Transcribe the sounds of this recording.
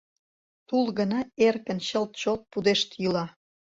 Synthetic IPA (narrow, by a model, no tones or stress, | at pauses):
t̪ulɣənɑerkə̆nɕəlt̪̚t͡ɕolt̪̚pud̪eʃt̪jylɑ